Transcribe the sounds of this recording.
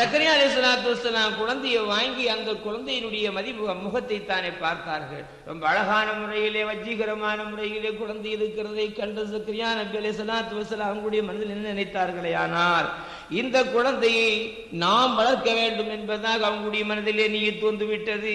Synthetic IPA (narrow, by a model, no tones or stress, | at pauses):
sɐkːɐɾɪjaɐlɐɪɪs̬ːɐlaːt̪̬ːɯʋɐɾsːɐlaːmkʊɻɐnd̪ɐjɐʋaːŋɡɪɐnd̪ɐkːʊɻɐnd̪ɐjɪnɯɽɐjɐmɐðimʊɣɐmːʊɣɐt̪ːɐɪt̪ːaːneːpaːɾt̪aːɾɣɐ̰ɭ | ɾɔ̰mbɐːɻɐɣaːnɐmʊrɐjɪleːʋɐd͡ʒːɪɣɪɾɐmaːnɐmʊrɐjɪleːkʊɻɐnd̪ɐjɪɾɯkːɪɾɐðɐɪkːɐɳɖɐsɐkːɐɾɪjaːnɐbɪɐlɐɪs̬ɐlaːt̪ːɯʋɐsɐlaːmɐʋɐŋɡɐɭʊɽɐjɐmɐnɐðɪlɛnːɐnɪnɐɪt̪ːaːɾɣɐɭɐɪaːnaːɾ | ɪnd̪ɐkːʊɻɐnd̪ɐjɐɪ | naːmʋɐɻɐɾkːɐʋeːɳɖɯmɛnbɐðaːɣɐʋɐŋɡɐɭɯʊɽɐjɐmɐnɐðɪleːniːjɐt̪ːoːnd̪ɯʋɪʈːɐðɯ